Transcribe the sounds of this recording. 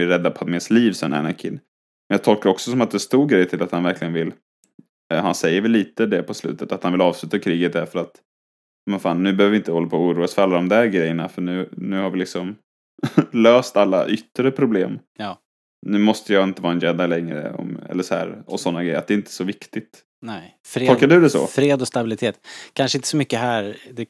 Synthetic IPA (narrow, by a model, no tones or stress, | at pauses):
ɪɾɛd̪ːapʰɔat̪mɛsliːvsɛnɛ̰nakʰɪ̰nː | mɛnjɑːt̪ʰɔlkaɾɔksɔsɔmat̪̚d̪ɛst̪uːɾɡɾɛjt̪ʰɪlat̪hanvæɾkʰlɪɡənvɪlː | hansɛjːəɾvɪlːiːt̪əd̪ɛpʰɔslʉ̰ːt̪ət̪at̪hanvɪlɑːvslʉ̟ːt̪akʰɾiːɡət̪̚d̪æɾfœɾat̪ | ɑːmɛnfaːnːʉ̟ːbɛhøːvɪɪnt̪əhɔlːapʰoːuːɾuːasfœɾalːad̪ɔmd̪æɾɡɾɛjːənafœɳʉ̟ːnʉ̟ːhaɾvɪlɪksɔm | løːst̪alːaʔʏt̪ːɾəpʰɾʊblḛːmː | nʉ̟ːmɔst̪əjaɪnt̪əvɑːɛnjɛnd̪alɛŋɾə̰ɔ̰mɛ̰lːəʂɔhæ̰ːɾɔ̰sɔnːaɡɾɛ̰jəɾat̪d̪ɛɪnt̪ʰə̥sɔvɪkt̪ɪt̪ | nɛ | fɾʰɔkːaɖɵd̪ɛsɔ̰fɾeːd̪ɔst̪abɪlɪt̪ʰeːt̪kʰanʂəɪnt̪ə̥sɔmʏkːəɦæɾd̪ɛ